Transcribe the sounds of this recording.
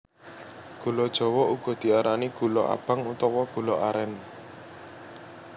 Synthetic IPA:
ɡ̥ṳlɔd̥ʒ̥ɔ̤wɔuɡ̥ɔ̤d̪̥i̤aɾaniɡ̥ṳlɔʔa̰b̥aŋut̪ɔwɔɡ̥ṳlɔʔaɾɛn

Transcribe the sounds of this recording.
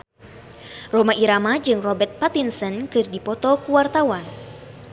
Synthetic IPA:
romaʔiɾamad͡ʒɨŋrɔbɛrt̪̚pat̪insənkɨrdipɔt̪ɔkuwart̪awan

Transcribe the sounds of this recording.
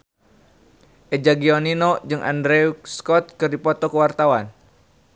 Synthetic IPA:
ʔɛd͡ʒaɡiɔninɔd͡ʒɨŋʔa̰ndɾɛuskɔt̪̚kɨrdipɔt̪ɔkəwart̪awan

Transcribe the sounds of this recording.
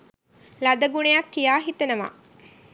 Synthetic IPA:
lad̪əɡunejakːijaːɦit̪ənəʋa̰

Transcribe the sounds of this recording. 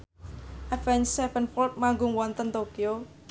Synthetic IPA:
ʔɛfɛnsɛbənfɔlt̪̚maŋɡʊŋwɔnt̪ənt̪okio

